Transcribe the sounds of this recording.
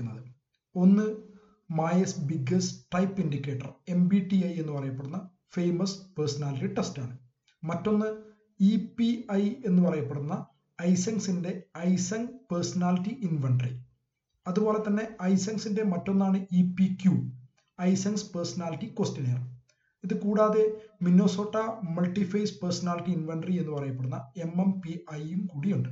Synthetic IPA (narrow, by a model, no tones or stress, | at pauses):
nːɐðɨ | o̞nːɨ | majɐsbiɡɐsʈɐjpːindikʲːeːʈːɐ̰re̞mbiʈːiɐje̞nːupɐrɐjɐpːeɽunːɐ | fejmɐspersɐnaːliʈːiʈestaːɳɨ | mɐtːo̞nːɨ | ipiɐje̞nːɨpɐrɐjɐpːeɽunːɐ | ɐjsɐnsinde̞ɐjsɐŋpersɐnaːliʈːiʔinfɐɳɖri | ɐðubo̞ːle̞t̪ːɐnːe̞ɐjsɐnsinde̞mɐtːo̞nːaːɳɨipikju | ɐjsɐnspersɐnaːliʈːiko̞ːstineːrɨ | iðɨkuːɽaːðe̞mino̞ːso̞ːʈːɐmɐlʈːifɐjspersɐnaːliʈːiinʋɐɳɖrie̞nːupɐrɐjɐpːeɽunːɐe̞mempiʔɐjumkuːɽijuɳɖɨ